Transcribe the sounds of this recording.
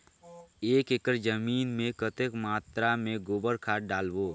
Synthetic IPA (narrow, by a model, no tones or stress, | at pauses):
eːkeːkəɾd͡ʒəmiːnmẽkət̪ekmaːt̪ɾamẽɡoːbəɾkʰaːʈ̚ɖaːlʋoː